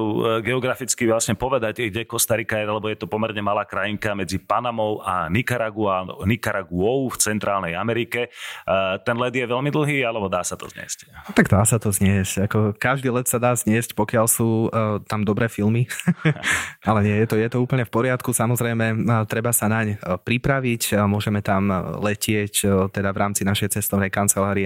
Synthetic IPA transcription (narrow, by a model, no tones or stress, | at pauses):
ɡɛɔɡɾafit͡skiʋlasɲɛpɔʋɛd̪acɡɟɛkɔst̪aɾikaɛɾalɛbɔjɛt̪ɔpɔmɛɾɲɛmalaːkɾajiŋkamɛd͡zipanamɔʊanikaɾaɡua̰nikaɾaɡuɔʊft͡sɛnt̪ɾaːlnɛjamɛɾikɛ | t̪ɛnlɛd̪jɛʋɛʎmid̪l̩ˠɦiːalɛbɔd̪aːsat̪ɔ̰zɲɪɛ̰sct̪aɡd̪aːsat̪ɔzɲɪɛscakɔkaʒd̪iːlɛt̪sad̪aːzɲɪɛscpɔkɪalsuːt̪amd̪ɔbɾɛːfilmi | alɛɲɪɛjɛt̪ɔjɛt̪ɔuːpl̩ɲɛfpɔɾɪat̪kusamɔzɾɛjmɛt̪ɾɛbasanaɲpɾipɾaʋicmʊɔʒɛmɛt̪amlɛcɪɛct̪ɛd̪avɾaːmt͡sinaʃɛjt͡sɛst̪ɔʊnɛjkant͡sɛlaːɾiɛ